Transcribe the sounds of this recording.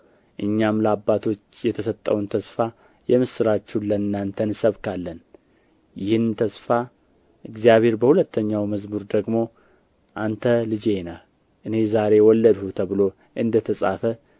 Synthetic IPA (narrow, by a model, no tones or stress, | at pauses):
ʔɨɲːamləabːat̪ʰo̞t͡ʃːjɛt̪ʰəsət̪ʼːəwnt̪ʰəsfa | jɛmɨsɨɾat͡ʃːulənːant̪ʰənsəβkʰalːən | jɪhɨnt̪ʰəsfa | ʔɨɡzijaβe̞ɾbəhulət̪ʰːəɲːawməzmuɾd̪əɡmo̞ | ʔant̪ʰəlɨd͡ʒe̞na | ʔɨne̞zaɾe̞wɔlːəd̪hut̪ʰəβɨlo̞ | ʔɨnd̪ət̪ʰəsʼa̰fə